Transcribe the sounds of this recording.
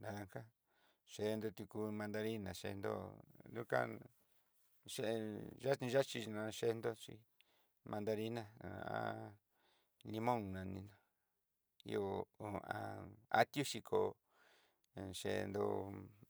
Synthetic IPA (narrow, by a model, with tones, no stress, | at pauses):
na˨˧ŋka˦ | ʃe˧nd̪o˧t̪u˧ku˧mã˧nd̪a˧ɾi˦nã˨ʃḛ˧nd̪o̰˦du˦ka̰˦ | ʃe˦˧ʒa˦t͡ʃĩ˧ʒa˦t͡ʃi˧nã˧ʃe˧nd̪o˦t͡ʃi˧ | mã˧nd̪a˧ɾi˦nã˧˨a̰˦ | li˧mõ˦ŋnã˧nĩ˧nã˧ | ḭ˧o˨o˨ã̰˧˨a̰˦t̪ju˦ʃi˧kʰo˨˧ | ʃe˧nd̪o̰˧